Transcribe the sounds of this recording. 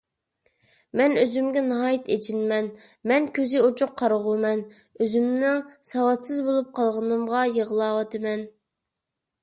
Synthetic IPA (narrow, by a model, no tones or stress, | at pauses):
mɛnøzymɡʲɛnɨɦɑːjit̪ʰet͡ʃʰinmɛnmɛnkʲʰøzɪot͡ʃʰʊqʰːɑɾəʁumɛn | øzymnɪŋsɑwɑt̪sɨzbolˠup̚qʰɑlˠʁənɨmʁɑjəʁlˠɑːwɑt̪ɨmɛn